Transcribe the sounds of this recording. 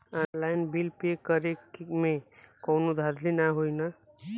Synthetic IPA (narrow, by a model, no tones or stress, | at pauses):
anlajnbilpekəɾekimẽkownud̪ʱad̪ʱlinaɦoina